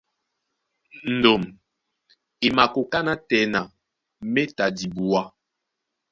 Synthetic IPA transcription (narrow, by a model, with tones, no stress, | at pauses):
n̩˨do˨m | i˨ma˨ko˨ka˦na˦tɛ˨˦na˨ | me˦ta˨di˨bu˨wa˦